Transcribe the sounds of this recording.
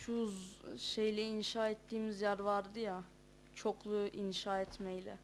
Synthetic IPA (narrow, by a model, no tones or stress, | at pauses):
ʃʰuzʃejlʲɛinʃaːɛt̪ːiːmizjæɾvaɾd̪ɯja | t͡ʃʰoklˠuinʃaːɛt̪mɛjlʲɛ̰